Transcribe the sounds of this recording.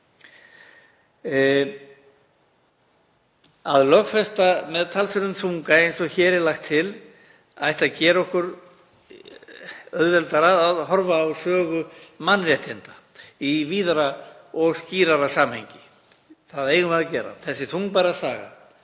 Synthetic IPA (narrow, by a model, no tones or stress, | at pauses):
aðlœxfɛst̪amɛðt̪ʰalsɛɾʏmθʰuŋkaejnsɔçɛːɾɪlaxt̪ʰːɪl | ajht̪aðcɛːɾɔhkʏɾ | œðvɛlt̪aɾaaðhɔɾvaːwsœːɣʏmanːrjɛht̪hɪnt̪ḁ | iviːðaɾaɔɣsciːɾaɾasaːmhejɲcɪ | θaðejɣʏmaðacɛːɾa̰θɛsːɪθuŋk̚paɾasaːɣa̰